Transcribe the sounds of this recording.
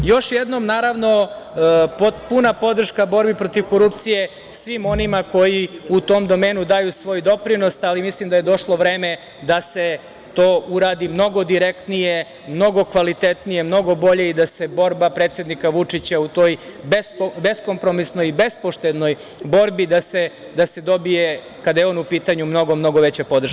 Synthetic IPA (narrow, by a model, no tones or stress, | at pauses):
jo̞ʃjed̪no̞mnaːɾaʋno̞ | popunapo̞d̪r̩ʃkabo̞ɾbipɾo̞t̪iʋkoɾup̚t̪sije̞ | sʋimo̞nimako̞jiut̪o̞ːmd̪o̞me̞ːnud̪ajusʋo̞ːjd̪o̞pɾino̞salimislimd̪ajed̪o̞ʃlˠo̞ʋɾe̞ːme | d̪ase̞ | t̪oːʔuɾaːd̪imno̞ɡo̞d̪iɾekt̪nije | mno̞ɡo̞kʋalit̪et̪nije̞mno̞ɡo̞bo̞ʎeid̪ase̞bo̞ɾbapɾet̪sjed̪nikaʋut͡ʂit͡ɕaut̪o̞jbesobe̞sko̞mpɾo̞misnojibe̞spo̞ʃt̪ed̪no̞j | bo̞ɾbid̪ase | d̪ased̪o̞bije | kad̪ajeo̞ːnupiːt̪aɲumno̞ɡo̞mno̞ɡo̞ʋet͡ɕapo̞d̪ɾ̩ʃke